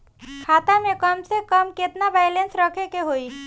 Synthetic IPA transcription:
kʰaːt̪amẽkəmsekəmkɪt̪nabajlensɾəkʰekeɦoi

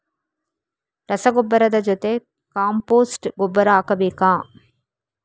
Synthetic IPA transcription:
ɾɐsɐɡobːɐɾɐd̪ɐd͡ʒot̪e | kaːmpoːsʈɡobːɐɾaːkɐbeːkãː

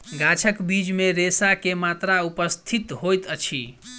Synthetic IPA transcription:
ɡat͡ʃʰəkbid͡ʒmeɾesakemat̪ɾaupəst̪ʰit̪ɦojt̪ət͡ʃʰi

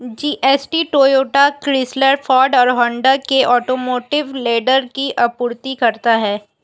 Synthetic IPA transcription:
d͡ʒiːʔɛːsʈiʈoːjoːʈakɾɪsləɾfɔːɾɖɔːɾɦɔ̃ɳɖəɾkeʔɔːʈoːmoːʈɪʋleːɖəɾkiʔɐpʊːɾt̪ikɐɾt̪aɦɛː

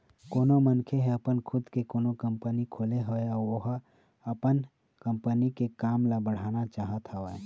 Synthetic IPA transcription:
koːnomənkʰeɦɛ̃əpənkʰʊd̪kekoːnokə̃mpənikʰoːleɦoeɔːɾoɦ | əpən | kə̃mpənikekaːmlabəɽ̤aːnat͡ʃaːɦət̪ʰaɦoe

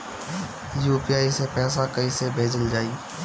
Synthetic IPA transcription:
juːpiaːisepɛːsakəĩsebʱeːd͡ʒəld͡ʒaːi

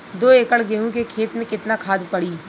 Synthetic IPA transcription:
d̪oːeːkəɽɡeːɦũkekʰeːt̪mẽkɪt̪nakʰaːd̪pɐɽiː

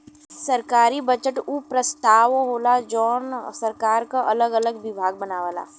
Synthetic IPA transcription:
sɐɾkaːɾibət͡ʃəʈupɾəst̪aːʋɦoːlad͡ʒɔːnsɐɾkaːɾkaʔɐləɡələɡʋɪbʱaːɡ̚bɐnaːʋala̰ː

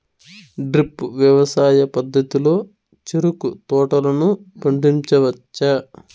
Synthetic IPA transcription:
ɖɾipʋjɐʋɐsaːjɐpɐd̪ʱːɐt̪ilo̞ː | t͡ʃeɾukut̪ɔːʈɐlɐnupɐɳɖiɲt͡ʃɐʋɐt͡ʃːɐ

